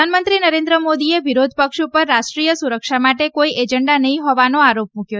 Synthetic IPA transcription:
anmənt̪ɾinəɾẽnd̪ɾəmod̪ieʋiɾod̪ʱpəkʃupəɾːaʃʈɾijəsuɾəkʃamaʈekoiʔed͡ʒəɳɖanəɦĩɦɔʋanoaɾopmũkjo

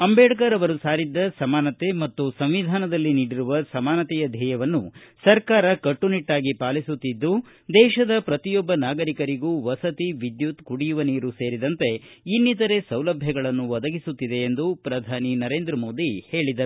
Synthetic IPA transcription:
ɐmbeːɽɐkaːɾɐʋɐɾusaːɾid̪ːɐsɐmaːnɐt̪e̞mɐt̪ːusɐmʋid̪ʱaːnɐd̪ɐlːiniːɽiɾuʋɐsɐmaːnɐt̪ɛjɐd̪ʱɛːjɐʋɐnːusɐɾkaːɾɐkɐʈːuniʈːaːɡipaːlisut̪ːid̪ːu | d̪ɛːʃɐd̪ɐpɾɐt̪ijɔbːɐnaːɡɐɾikɐɾiɡuːʋɐsɐt̪iʋid̪jut̪kuɽijuʋɐniːɾuse̞ːɾid̪ɐnt̪e̞inːit̪ɐɾe̞sɐwlɐbʱjɐɡɐɭɐnːuʋɐd̪ɐɡisut̪ːid̪e̞ːnd̪upɾɐd̪ʱaːninɐɾe̞ːnd̪ɾɐmo̞ːd̪ihe̞ːɭid̪ɐ

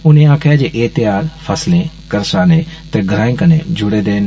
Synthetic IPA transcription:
ʊnẽãːkʰjad͡ʑeːʔeːt̪ɪjaːɾfʰɐslẽkɐɾsaːnet̪ɐɡʱɾaːɪ̃ŋkəned͡ʑʱʊɽed̪eːn

